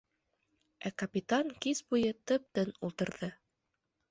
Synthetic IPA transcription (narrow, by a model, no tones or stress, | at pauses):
ækɐpʲit̪aŋkizbujɤt̪ɤp̚t̪ɘnulˠt̪ɤ̆ɾðɤ